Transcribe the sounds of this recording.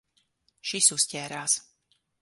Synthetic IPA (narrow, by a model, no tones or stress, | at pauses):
ʃisusʲcɛːɾaːs